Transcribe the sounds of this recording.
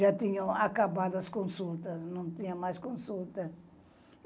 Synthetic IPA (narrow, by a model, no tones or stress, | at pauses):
at̪ĩɲɐ̃akabad̪ɐskõsult̪ɐsnɐ̃w̃t̪ĩɲɐmajskõsult̪ɐ